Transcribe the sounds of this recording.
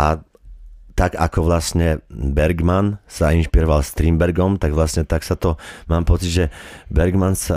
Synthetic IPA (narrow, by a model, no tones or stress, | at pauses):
ʔa | t̪aɡakɔʋlasɲɛbɛɾɡmansainʃpiɾɔʋalst̪ɾiːmbɛɾɡɔmt̪aɡʋlasɲɛt̪aksat̪ɔmaːmpɔt͡sid̪ʒɛbɛɾɡmansa